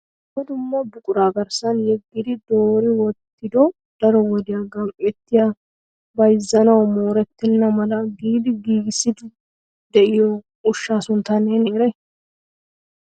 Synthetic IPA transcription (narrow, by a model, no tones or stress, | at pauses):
wɔd̪ʊmːɐbʊkʼʊɾaːɡɐɾsɐnjɛɡːɪd̪ɪd̪oːɾɪwɔt̪ːɪd̪ɔ | d̪̥ɐɾɔwɔd̪ɪjaɡɐmʔʼɛt̪ːɪja | bɐjzːɐnɐwmo̞ːɾɛt̪ːɛnːɐmɐlɐɡiːd̪ɪɡiːɡɪsːɪd̪ɪ | d̪ɛʔɪjɔ | ʊʃːaːsʊnt̪ːɐneːneːɾɐj